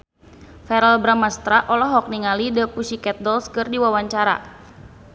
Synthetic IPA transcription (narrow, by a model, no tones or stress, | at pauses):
fɛɾalbɾamast̪ɾaʔɔlɔɦɔk̚niŋalidəpusikɛt̪̚dɔlskɨrdiwawaɲt͡ʃaɾa̰